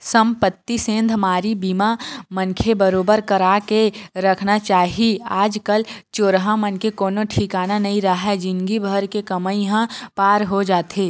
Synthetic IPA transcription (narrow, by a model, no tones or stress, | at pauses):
sə̃mpət̪ːisẽːnd̪ʱmaːɾibimamənkʰebəɾoːbəɾkəɾakeɾəkʰnat͡ʃaːɦiaːd͡ʒkəlt͡ʃoːɾɦãmənkekoːnoʈʰikaːnanɐɦĩɾəɦɛd͡ʒɪnɡibʱəɾkekɐməĩɦãpaːɾɦod͡ʒaːt̪ɦeː